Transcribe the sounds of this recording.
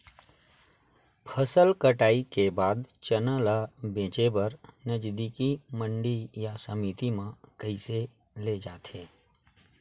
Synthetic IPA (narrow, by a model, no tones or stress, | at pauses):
pʰəsəlkəʈaːikebaːd̪t͡ʃənəlabẽːt͡ʃebɐɾnəd͡ʒd̪iːkimə̃ɳɖijasəmiːt̪imãkəise | led͡ʒaːt̪ʰeː